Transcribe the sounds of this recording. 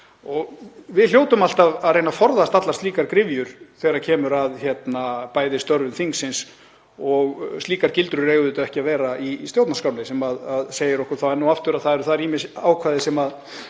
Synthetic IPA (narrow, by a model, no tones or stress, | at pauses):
ɔɣvɪðljoːwt̪ʏmal̥t̪aðaðrejnafɔɾðast̪at̪last̪iːkaɾkɾɪvjʏɾ̥θejɾacʰɛːmʏɾaðçjɛt̪napaːjðɪst̪œɾvʏmθiŋksːɪns | ɔɣst̪liːkaɾcɪlt̪ɾʏɾeːɣʏðʏːt̪ʏɛhcɪavɛːɾaist̪jowt̪naskaːwnasɛmaðaðseːjɪɾɔhkʏɾ̥θawɛɾnuaft̪ʏɾaðθaðɛɾʏθaðɛɾiːmɪsaːwkʰvaːðɪsɛmað